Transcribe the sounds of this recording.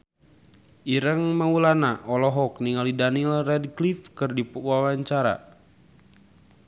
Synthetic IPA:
ʔiɾəŋmaulanaʔɔlɔɦɔk̚niŋalidanilrɛdklifkɨrdipəuawaɲt͡ʃaɾa̰

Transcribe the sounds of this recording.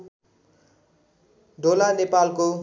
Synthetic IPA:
d̪olanepalko

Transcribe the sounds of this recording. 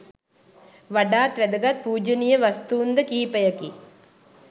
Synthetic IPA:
ʋɐɖaːt̪ʋɛd̪ɐɡɐt̪̚puːd͡ʒɐnijɐʋɐst̪uːnd̪ɐkiːpɐjɐki

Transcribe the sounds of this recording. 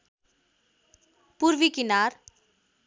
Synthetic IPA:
puɾʋikinaɾ

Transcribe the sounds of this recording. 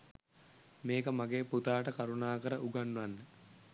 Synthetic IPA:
meːkəmaɡeːput̪aːʈəkaɾunaːkəɾəʔuɡanːuʋanːə

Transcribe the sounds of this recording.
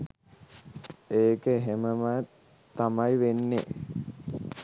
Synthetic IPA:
eːkəeɦeməmə | t̪amajʋenːḛ

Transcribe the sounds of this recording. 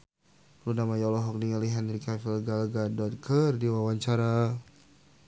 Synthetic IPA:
ɾunamajɔlɔɦɔk̚niŋaliɦɛnrikɛfilɡalɡadɔt̪̚kərdiwawaɲt͡ʃaɾa

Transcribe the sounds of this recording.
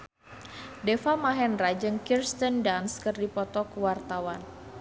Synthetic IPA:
dɛfamaɦɛnrad͡ʒɨŋkirst̪əndanskɨrdipɔt̪ɔkəwart̪awan

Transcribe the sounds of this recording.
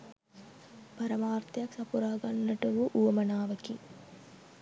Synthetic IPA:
pɐɾɐmaːrt̪jɐksɐpuɾaːɡɐnːɐʈɐʋuʔuʋɐmɐnaːʋɐki

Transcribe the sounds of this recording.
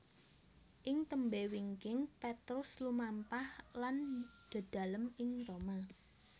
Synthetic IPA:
ʔɪŋt̪əmbewiŋkɪŋpɛt̪ɾʊslumampahland̪̥a̤d̪̥ä̤ləmɪŋroma

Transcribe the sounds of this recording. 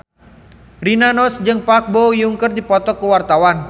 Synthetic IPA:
rinanɔsd͡ʒɨŋpak̚bojuŋkərdipɔt̪ɔkəwart̪awan

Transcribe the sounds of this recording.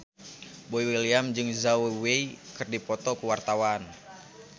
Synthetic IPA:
boiwiliamd͡ʒɨŋzaweweikɨrdipɔt̪ɔkuwart̪awan

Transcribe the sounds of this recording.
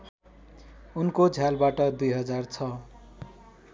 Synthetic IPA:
unkod͡zʱjalbaʈʌd̪ujɦʌd͡zart͡sʰʌ

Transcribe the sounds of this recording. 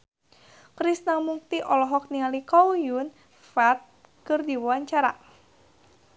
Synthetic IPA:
kɾisnamuk̚t̪iʔɔlɔɦɔk̚nialikɔwjun | fat̪̚ | kɨrdiwuaɲt͡ʃaɾa̰

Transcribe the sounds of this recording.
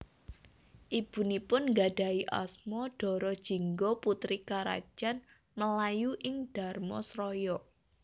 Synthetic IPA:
ʔib̥ṳnipʊnŋɡaɖ̥a̤iʔa̰smɔɖ̥ɔ̤ɾɔd̥ʒ̥i̤ŋɡɔput̪ɾikaɾa̰̥ʒ̥an | məlajuʔɪŋɖ̥a̤rmɔ̰sɾɔjɔ

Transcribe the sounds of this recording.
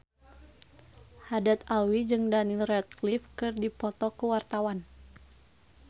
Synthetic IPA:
hadat̪awid͡ʒɨŋdanilrɛt̪̚klifkɨrdipɔt̪ɔkuwart̪awan

